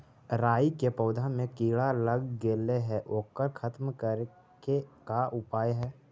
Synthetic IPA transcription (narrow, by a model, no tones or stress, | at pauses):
ɾaːikepɔːd̪ʱamẽkiːɭaləɡɡeːleɦɛʔoːkəɾkʰət̪mkəɾ | kekaʔʊpaːjɦɛː